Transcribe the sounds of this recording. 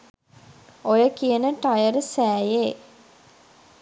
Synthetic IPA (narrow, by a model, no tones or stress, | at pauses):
ojəkijənəʈajəɾsæːjeː